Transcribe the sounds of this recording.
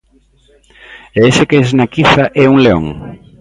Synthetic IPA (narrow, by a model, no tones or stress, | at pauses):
eesekeznakiθaʔɛuŋleo̰ŋ